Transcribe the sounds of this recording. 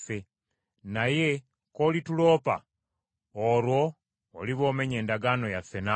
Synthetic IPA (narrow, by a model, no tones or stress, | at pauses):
fe | naje̞ | ko̞litulo̞ːpa̰ | oɾwo̞ː | liβo̞ːme̞ɲe̞ːndaɡano̞jafe̞na